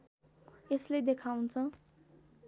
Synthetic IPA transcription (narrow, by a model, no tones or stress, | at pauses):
esled̪ekʰaw̃nt͡sʰʌ